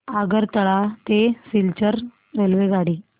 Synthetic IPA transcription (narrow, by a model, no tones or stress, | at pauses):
aɡəɾt̪əɭat̪esilt͡ɕəɾ | ɾelʋeɡaɽiː